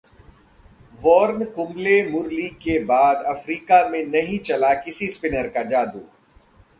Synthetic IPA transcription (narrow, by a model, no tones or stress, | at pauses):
ʋɔːɾnkʊmlemʊɾlikebaːd̪ɐfɾiːkamẽnɐɦĩt͡ʃɐlakɪsispɪnəɾkad͡ʒaːd̪uː